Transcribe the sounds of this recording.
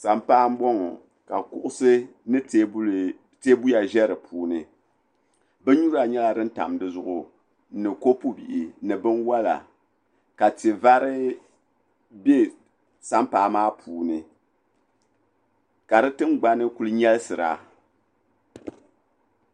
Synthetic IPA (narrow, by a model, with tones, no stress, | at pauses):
sa˨mpaː˦m˦bɔ˦ŋɔ˨ | ka˨kʊ˦ʔʊ˦sɨ˦nɨ˦ | te˦bu˦ja˨ʒɛ˦ɾɨ˨pʰuː˦nɨ˨ | bɛ˦ɲu˦ɾa˨ɲɛ˦la˨dɨ˦n̩˦ta̰˨mdɨ˦zʊ˦ʔʊ˨˦ | nɨ˨ko˦pu˦bḭ˨ʔi˨˦nɨ˨bɨ˦nwa˦la̰˨ | ka˨ti˨va˦ɾɨ˦ | be˦ | sa˦m˦paː˨˦˨maː˦pʰuː˨nɨ˨ | ka˨ɾɨ˦tɨ˦ŋ˦ɡ͡ba˦nɨ˦ku˦lɨ˦ɲɛ˦lsɨ˨ɾa̰˨